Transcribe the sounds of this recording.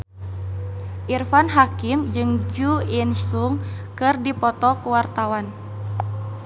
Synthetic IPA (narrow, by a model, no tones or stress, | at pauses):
ʔirfanɦakimd͡ʒɨŋd͡ʒuinsuŋkɨrdipɔt̪ɔkuwart̪awan